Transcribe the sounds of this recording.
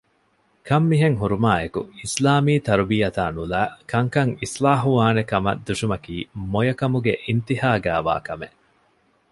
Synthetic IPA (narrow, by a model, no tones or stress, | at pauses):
kɐmːiɦeŋɦuɾumaːekṵislaːmiːt̪ɐɾubiːɐt̪aːnulæːkɐŋkɐŋislaːɦuʋaːnekɐmɐ̰d̪uʃumɐkiːmojɐkɐmuɡeʔint̪ihaːɡæːʋa̰ːkɐme